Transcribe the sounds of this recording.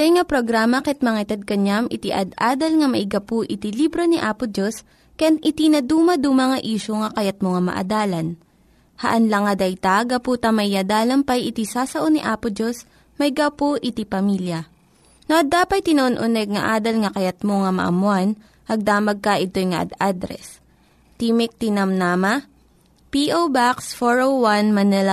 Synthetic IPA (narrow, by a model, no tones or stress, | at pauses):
t̪ojŋɐpɾoɡɾaːmɐkɛt̪̚mɐŋaʔɪt̪ɐd̪̚kɐɲamʔɪt̪iʔɐ̰d̪ʔaːd̪ɐlŋɐmɐʔɪɡapoʔɪt̪ilibɾo̞niʔaːpʊd͡ʒos | kɐjanʔɪt̪inɐd̪uːmɐd̪uːmɐŋɐʔiːʃoŋɐkɐjat̪̚moŋɐmɐ̰ʔɐ̰d̪aːlɐn | hɐʔɐnlɐŋɐd̪ɐjt̪aɡɐpuːt̪ɐmɐʔɪjɐd̪aːlɐmpɐjʔɪt̪isaːsɐʔoniʔaːpod͡ʒos | mɐjɡawpoʔɪt̪ipɐmiljɐ | noʔɐd̪aːpɐjt̪ɪnɐʔonʔʊnɛɡ̚ŋɐʔaːd̪ɐlŋɐkɐjɐt̪̚moŋɐmɐ̰ʔɐ̰mʊan | ʔɐɡ̚d̪aːmɐɡ̚kɐʔɪt̪o̞jŋɐʔɐ̰d̪ad̪ɾɛ̰s | t̪iːmɪk̚t̪ɪnɐmnaːmɐ | piʔowbaksfoɹowwanmɐnɛlɐ